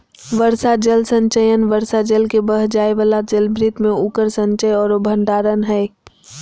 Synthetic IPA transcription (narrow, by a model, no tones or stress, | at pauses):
ʋəɾsad͡ʒəlsə̃ɲt͡ʃəjənʋəɾsad͡ʒəlkebəɦd͡ʒaːeʋəlad͡ʒəlbɾɪt̪mẽukəɾsə̃ɲt͡ʃəjɔːɾobʱə̃ɳɖaːɾənɦɛː